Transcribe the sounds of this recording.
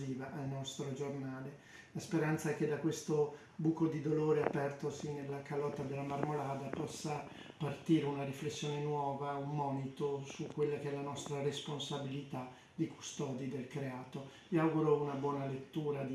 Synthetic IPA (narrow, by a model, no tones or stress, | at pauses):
iːvaʔalnɔst̪ɾod͡ʒornaːle | laspeɾant̪saɛked̪akwest̪o | buːkod̪id̪oloːɾeapɛrt̪osinelːakalɔt̪ːad̪elːamarmolaːd̪apɔsːa | part̪iːɾeunaɾiflesːjoːnenwɔːvaumːɔːnit̪osukːwelːakeɛlanɔst̪ɾaresponsabilit̪a | d̪̥iku̥st̪ɔːd̪id̪elkɾeaːt̪o | viawɡuɾounabwɔːnalet̪ːuːɾad̪i